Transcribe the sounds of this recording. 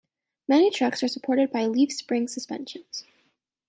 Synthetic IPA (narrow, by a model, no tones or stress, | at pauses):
mɛnitʰɹ̥ʌksə˞səpʰɔɹɾɨd̚baɪliv̥spɹɪ̃ŋsəspɛ̰̃nʃɨ̃nz̥